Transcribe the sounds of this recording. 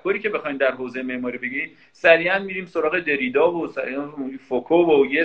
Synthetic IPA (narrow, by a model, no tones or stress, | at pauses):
kʰoːɾiːcʲʰe̞bexɒːjmd̪æɾɦoːzejemeʔmɒːɾiːbe̞ɡɟiɾiːm | sæɾiːʔænmiːɾiːmso̞ɾɒːɣe̞d̪e̞ɾiːd̪ɒːvosæɾifokʰovoje